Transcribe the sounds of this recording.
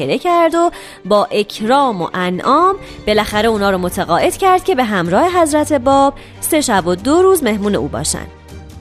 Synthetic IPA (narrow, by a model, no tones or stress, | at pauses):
eɾe̞cʰæɾd̪o̞ | bɒːʔe̞cʰɾɒːmo̞̰ʔænʔɒːm | b̥e̞læxæɾe̞uːnɒːɾomo̞t̪ʰæɣɒːʔe̞d̪̥cʰæɾd̪̥̚cʲʰe̞be̞ɦæmɾɒːhe̞ɦæzɾæt̪ʰe̞bɒːb̥̚ | se̞ʃæbod̪oɾuːzme̞hmuːne̞ʔṵːbɒ̰ːʃæ̰nd̪